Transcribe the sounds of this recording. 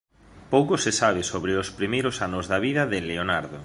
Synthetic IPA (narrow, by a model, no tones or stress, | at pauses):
powkosesaβ̞ɪsoβɾeospɾimejɾosanʊzðaβ̞iðɐðɪleonaɾðo